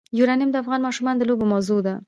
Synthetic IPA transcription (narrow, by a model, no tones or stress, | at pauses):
juɾɑnɪjmd̪əafɣɑnmɑʃumɑnd̪əlobomawzod̪a